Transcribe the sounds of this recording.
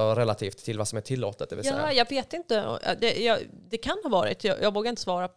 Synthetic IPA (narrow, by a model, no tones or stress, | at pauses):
ɔɾɛlat̪ʰiːft̪ʰːɪlvasɔmæʈʰɪlːo̰ːt̪ət̪d̪ɛvɪlsaːjɑːɡveːt̪ɪnt̪əɔ̰ɑ̰d̪ɛjɑːd̪ɛkʰanhɑːvɑːɾɪ̰t̪ʰjɑ̰jʔɑ̰ːɡvoːɡaɪnt̪ə̥svɑːɾa